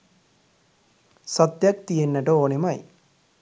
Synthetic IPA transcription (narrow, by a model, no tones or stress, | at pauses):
sɐt̪jɐk̚t̪ijenːɐʈooːnimɐj